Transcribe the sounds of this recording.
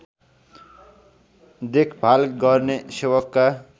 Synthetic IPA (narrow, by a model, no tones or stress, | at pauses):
d̪ekʰbʱalɡʌɾnesewʌkːa